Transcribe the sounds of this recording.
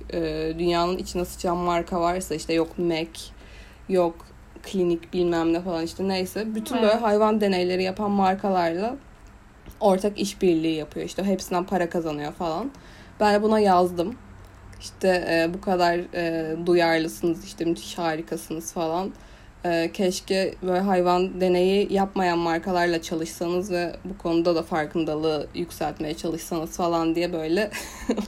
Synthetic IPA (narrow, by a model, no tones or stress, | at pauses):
ɛːd̪ynjaːnɯnʔit͡ʃʰind̪ɛsɯ̥t͡ʃʰanmaɾkʰavaɾsaiʃt̪ʰɛjokmɛc | jok | kʰlʲinicbilʲmæmlʲɛfalˠaniʃt̪ʰɛnejsɛbyt̪ʰynbøːlʲɛɦajvand̪e̞nejlʲe̞ɾijapʰanmaɾkʰalˠaɾlˠa | o̞ɾt̪ʰakiʃbiɾlʲiːijapʰɯjoiʃt̪ʰɛɦepsinænpʰaɾakʰazanɯjo̞falˠan | bænbunajazd̪ɯm | iʃt̪ʰɛːbukʰad̪aɾɛːd̪ujaɾlˠɯsɯnɯziʃt̪ʰɛmyt̪ʰi̥ʃhaːɾikʰasɯnɯz̥falˠan | ɛːcʰɛʃcɛbøɦajvand̪e̞ne̞jijapmajanmaɾkʰalˠaɾlˠat͡ʃʰalˠɯʃsanɯzvɛbukʰo̞nud̪ad̪afaɾkʰɯnd̪alˠɯjycʲsælʲt̪me̞jɛt͡ʃʰalˠɯʃsanɯz̥falˠand̪ijɛbø̞jlʲɛ